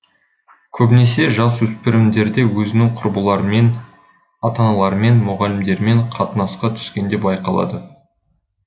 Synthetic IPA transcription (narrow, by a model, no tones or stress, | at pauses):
kʲʰɵbne̞se̞ʒɑswɵspɪɾɪmd̪e̞ɾd̪e̞wɵzɪnɪŋqʰʊɾbəlˠɑɾəme̞n | ɑt̪ɑnɑlˠɑɾme̞nmʊʁɑlʲɪmd̪e̞ɾme̞ɴqʰɑt̪ənɑsqɑt̪ʰʏ̥skʲe̞nd̪e̞bɑjqɑlˠɑ̰d̪ə